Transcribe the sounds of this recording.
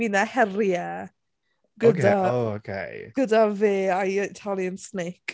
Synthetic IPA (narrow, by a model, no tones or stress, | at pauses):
inahɛrjɛ | ɡ̥ədaookʰḛjɡ̥ədaveːajətʰalˠiənsnejkʼ